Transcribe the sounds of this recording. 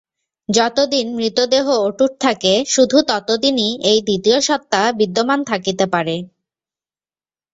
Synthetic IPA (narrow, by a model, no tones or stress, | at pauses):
d͡ʑɔt̪od̪inmɾit̪od̪eɦooʈuʈ̚t̪ʰakeʃud̪ʱut̪ɔt̪od̪iniejd̪it̪ioʃɔt̪ːabid̪ːomant̪ʰakit̪epaɾe